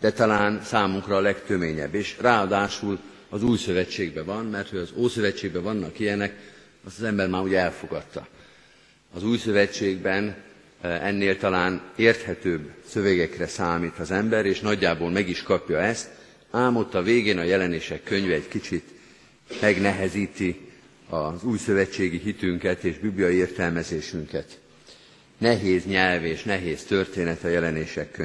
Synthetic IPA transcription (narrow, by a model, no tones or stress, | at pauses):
d̪̥ɛt̪ɒlaːnsaːmuŋkrɒːlɛkt̪ø̞meːɲɛ̰bːeːʃraːɒd̪aːʃul | ɒzuːjsø̞vɛt͡ʃːeːɡ̚bɛvɒnmɛrt̪ho̞ɟɒzoːsø̞vɛt͡ʃːeːɡ̚bɛvɒnːɒkijɛnɛk | ɒst̪ɒzɛmbɛrmaːɾuɟɛɛlfo̞ɡɒt̪ːɒ̰ | ɒzuːjsø̞vɛt͡ʃːeːɡbɛn | ɛnːeːlt̪ɒlaːneːrt̪hɛt̪øːbsø̞vɛɡɛkrɛsaːmiːt̪ɒzɛmbɛɾeːʃnɒɟːaːboːlmɛɡiʃkɒpjɒɛst̪ | aːmo̞t̪ːɒveːɡeːnɒjɛlɛneːʃɛkːø̞ɲvɛːckit͡ʃit̪ | mɛɡnɛɦɛziːt̪i | ɒzuːjsø̞vɛt͡ʃːeːɡiɦit̪yŋkɛt̪eːʒbibliɒieːrt̪ɛlmɛzeːʃyŋkɛt̪ | nɛɦeːzɲɛlveːʃnɛɦeːst̪ø̞rt̪eːnɛt̪ɒjɛlɛneːʃɛkːø